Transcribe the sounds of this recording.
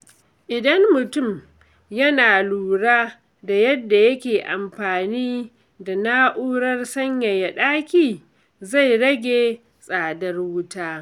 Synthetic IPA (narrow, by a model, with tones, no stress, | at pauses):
ʔɪ˨dɐ˦mːʊ˨tʊ˦˨m | jɐ˦naː˨luː˨ɽaː˦ | da˨jɐ˦dːa˨jɐ˦kʲeː˨ʔa˨mɸaː˨niː˦ | da˨na˦ʔuː˦ɽɐ˦rsɐ˦ɲja˨ja˨ɗaː˦kʲiː˨ | za˦˨jɽɐ˦ɡʲeː˨ | sʼaː˨dɐ˦rwʊ˦taː˦